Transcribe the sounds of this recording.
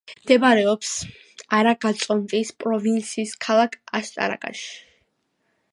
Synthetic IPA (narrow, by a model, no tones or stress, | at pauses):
md̪ɛbaɾɛɔps | aɾaɡat̪sʼɔnp̪ʼispʼɾɔvint̪sʰiːskʰalˠakʰast̪ʼa̰ɾa̰kʼa̰ʃi̥